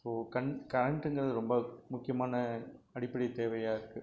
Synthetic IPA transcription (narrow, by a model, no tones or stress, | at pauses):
soːkɐɳkɐɾɐɳʈɯŋɡɯɾɐðɯɾɔmbɐmʊkːɪjɐmaːnɐɐɽɪpːɐɽɪt̪ːeːʋɐjaːɪɾɯkːɯ